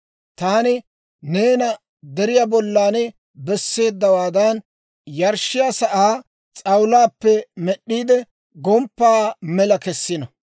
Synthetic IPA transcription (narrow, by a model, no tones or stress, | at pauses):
t̪aːnɪ | ne̞ːnɐ | d̪ɛɾɪjabɔlːaːnɛ | bɛsːe̞ːd̪ːɐwaːd̪ɐn | jɐɾʃːɪjasɐʔaː | t͡sʼɐwlaːpːɛmɛɗːiːd̪ɛ | ɡɔmpːaːmɛlɐkɛsːɪnɐ